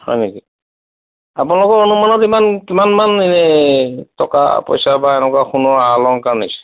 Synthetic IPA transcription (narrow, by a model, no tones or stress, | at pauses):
hɔ̰jneki | apunalɔkɔɹonumanɔtimankimanmaninɛtɔka̰pɔ̰jsabaɛnɛkwaxunɔalɔŋkanisɛ̥